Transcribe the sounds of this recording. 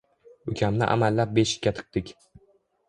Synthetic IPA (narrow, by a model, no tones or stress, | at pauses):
ʊkʲʰamnɪ̰ʔa̰malːap̚beʃɪ̥kʲːat̪ʰɨ̥q̚t̪ɪkʲ